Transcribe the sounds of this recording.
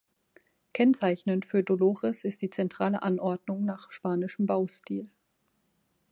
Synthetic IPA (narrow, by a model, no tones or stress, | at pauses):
kʰɛnt͡saɪçnəntfyːɐdoloːʁɛsɪstd̥iːt͡sɛntʁ̥aːləʔanʔɔɐdnʊŋnaːχʃpaːnɪʃəm̩baʊstiːl